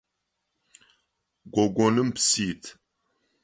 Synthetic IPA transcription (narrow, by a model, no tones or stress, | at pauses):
ɡʷoɡʷonɨmpsit̪ʰ